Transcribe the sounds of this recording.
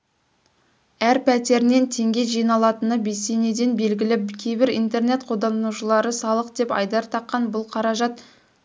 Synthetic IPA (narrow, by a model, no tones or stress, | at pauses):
æɾpʰæt̪e̞ɾne̞nt̪ʰe̞ŋɡʲe̞ʒijnɑlˠɑt̪ənəbesene̞d̪e̞nbe̞lɡʲɪlɪkʲʰejbɪɾijnt̪e̞ɾne̞t̪qʰo̞d̪ɑuʃəlˠɑɾəsɑlˠəqd̪e̞pɑ̰jd̪ɑɾt̪ʰɑqːɑnbʊlˠqʰɑɾɑʒɑt̪